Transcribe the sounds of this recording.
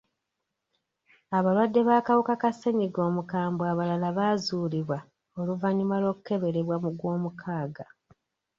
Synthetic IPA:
aβalwadːe̞βaːkawukakasːe̞ɲiɡo̞ːmukaːmbwaːβalalaβaːzuːliβwa | o̞luvaɲumalo̞ːkuke̞βe̞ɾe̞βwamuɡwo̞ːmukʰaːɡa

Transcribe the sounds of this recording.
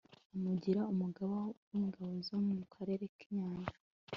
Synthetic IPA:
amuɟiɾaumuɡaβowiːŋɡaβozomumukʰaɾe̞ɾekiɲaːɲʒḁ

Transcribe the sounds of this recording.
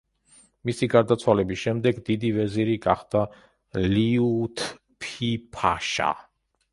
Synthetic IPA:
misiɡaɾd̪at̪sʰwalɛbisʃɛmd̪ɛɡd̪id̪ivɛziɾiɡaχd̪a | liut̪ʰ | pʰipʰa̰ʃa̰

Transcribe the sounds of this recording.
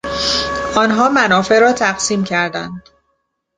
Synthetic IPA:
ɒːnɦɒːmænɒːfe̞ɾɒːt̪ʰæɡsiːmcʰæɾd̪ænd̪̥

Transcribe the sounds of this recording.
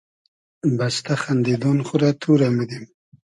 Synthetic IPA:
bast̪aχand̪id̪ɔnχʊɾat̪ʰuɾamɪd̪im

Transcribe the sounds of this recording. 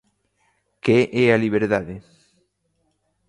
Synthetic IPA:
keʔɛaliβ̞eɾðaðe

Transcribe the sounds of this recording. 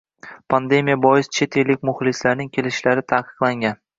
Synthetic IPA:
pʰand̪e̞mijabɒɪst͡ʃʰe̞t̪ʰelːɪkʲmʊχlˠɪslaɾnɪŋkʲʰe̞lɪʃlaɾɪt̪ʰaːqɨ̥qlˠaŋʲan

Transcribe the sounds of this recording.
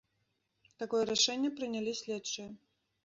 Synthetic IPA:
t̪akɔjɛɾaʂɛnʲːɛpɾɨnʲalʲisʲlʲɛtt͡ʂːɨjɐ

